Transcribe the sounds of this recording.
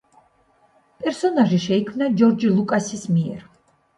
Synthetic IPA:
pʼɛɾsɔnaʒiʃɛikʰmnad͡ʒɔɾd͡ʒilˠukʼasismiɛ̰ɾ

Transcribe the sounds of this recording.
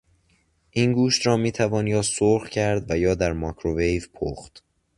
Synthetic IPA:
ʔiːnɡuːʃt̪ɾɒːmiːt̪ʰævɒːnjɒːsoɾxcʰæɾd̪væjɒːd̪æɾmɒːkʰɾovejvpʰo̰ːxt̪

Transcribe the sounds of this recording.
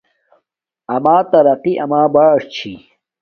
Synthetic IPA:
ɐmaːt̪ɐɾɐqiʔɐmaːbaːʂt͡ɕʰi

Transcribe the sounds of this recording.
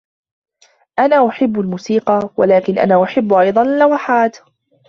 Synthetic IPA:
ʔanaːʔʊħɪbːalmuːsiːqɑwa̰laːkɪnʔa̰naːʔʊħɪbːʔɑjd̪ˤɑnalːawaħaːt̪

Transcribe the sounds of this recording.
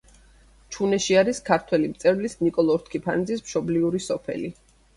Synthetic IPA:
t͡ʃʰunɛʃiaɾiskʰaɾt̪ʰwɛlimt̪sʼɛvlisnikʼɔlˠɔɾt̪ʰkʰipʰand̪zismʃɔbliuɾisɔpʰɛ̰li

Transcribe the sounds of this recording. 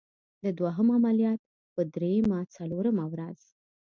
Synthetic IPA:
d̪əd̪waɦəmamaljɑt̪̚ | pəd̪ɾejəmat͡saloɾəmawɾaz̥

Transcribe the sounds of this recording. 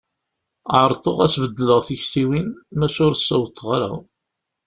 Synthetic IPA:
ʕəɾˤt̪ˤoʁæsvəd̪ːələʁθiçt̪iwinmæʃʊɾsːæwt̪ːʁaɾa̰

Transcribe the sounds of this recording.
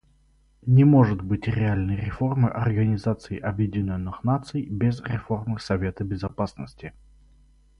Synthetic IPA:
nʲɪmo̞ʐɨt̪bɨtʲɾʲɪalʲnəjɾʲɪfo̞rmɨʔɐrɡənʲɪzat̪sɨɪʔɐbjɪdʲɪnʲonːɨxnat̪sɨjbʲɪzɾʲɪ̰fo̞rmɨxsɐvʲe̞t̪əbʲɪzɐpasnəsʲtʲɪ

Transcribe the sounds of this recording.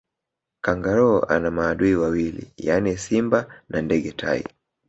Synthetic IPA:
kaŋɡaɾɔːa̰namaːɗuiwawilḭjanisimbanandɛɠɛtʰa̰ḭ

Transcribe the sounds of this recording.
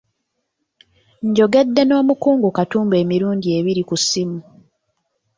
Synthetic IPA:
ɲɟo̞ɡe̞dːe̞no̞ːmukuːŋɡukatuːmbe̞ːmiɾuːnɟie̞βiɾikusːimu

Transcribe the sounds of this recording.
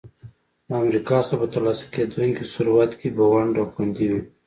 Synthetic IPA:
d̪əamɾikɑsɐɾapət̪alɑsḁked̪uŋkisʊɾuwat̪kibawaɳɖawxand̪iwi

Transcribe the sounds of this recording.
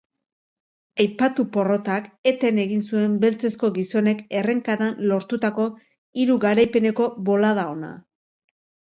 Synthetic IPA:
ajpat̪upo̞ro̞t̪ake̞t̪e̞ne̞ɣinsue̞mbe̞lt͡se̞sko̞ɣiso̞ne̞ke̞re̞ŋkaðanlo̞ɾt̪ut̪ako̞ | iɾuɣaɾajpe̞ne̞ko̞βo̞lað̞ao̞na̰

